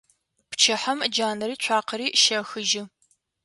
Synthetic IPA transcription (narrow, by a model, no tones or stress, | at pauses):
pt͡ʃʰɐħɐmd͡ʒaːnɐɾiːt͡ʃʷʰaːqʰɐɾiːʃɐxɨʒɪ